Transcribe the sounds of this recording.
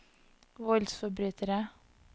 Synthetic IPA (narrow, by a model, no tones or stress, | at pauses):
ʋɔlsfɔbɾyːt̪ʰəɾə